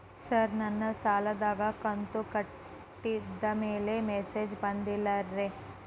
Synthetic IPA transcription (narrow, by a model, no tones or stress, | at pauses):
sɐɾnɐnːɐsaːlad̪aːɡakɐnt̪okɐʈː | id̪ɐmeːlemɛːseːd͡ʒbɐ̃nd̪ilɐɾːeː